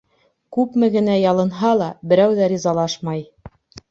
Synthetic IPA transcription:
kʉpmɘ̆ɡɘ̆næjɑlˠɤ̆nɦɑlˠɑbɘ̆ɾæwðæɾʲizɑlˠɑʃmɑj

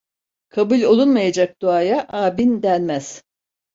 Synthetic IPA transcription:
kʰabulʲo̞lˠunmajad͡ʒak̚d̪̥uaːjaʔaːbind̪ænmæz̥

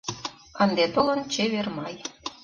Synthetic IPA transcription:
ɑnd̪et̪olə̆nt͡ɕeβermɑj

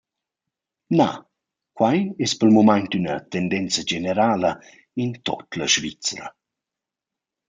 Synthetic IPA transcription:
ma̰ | kwajɛspəlmomajɲt̪ynət̪ɛndɛnt͡səd͡ʒeneɾaːlə | int̪ɔ̰t̪laʃvit͡sɾə̰

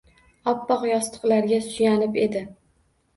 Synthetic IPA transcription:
ɒpːɒqjɒst̪ʰɨ̥qlaɾɡʲasʊjanɪpe̞d̪ɪ

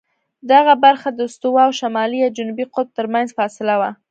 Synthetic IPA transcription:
d̪aɣabaɾxad̪əst̪uwɑwʃamɑliawd͡ʒʊnubiqʊlb̚t̪əɾmanzfɑsɪlawa

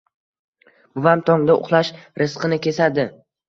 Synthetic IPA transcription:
bʊvamt̪ʰɒŋd̪aʊ̰χlˠaʃɾɨsqʰɨnɪkʲʰe̞sad̪ɪ

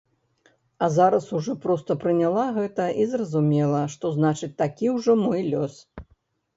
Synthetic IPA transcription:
ɐzaɾɐsuʐɔpɾɔst̪ɐpɾɨnʲalˠaɣɛt̪ɐʔizrɐzumʲɛlˠɐʂt̪ɔznat͡ʂɨt͡sʲt̪akʲiwʐɔmɔjlʲɔs

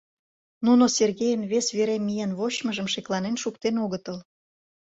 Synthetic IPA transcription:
nunoserɣejənβesβeɾemijenβoɕməʒəmʃeklɑnenʃukt̪enoɣət̪əl

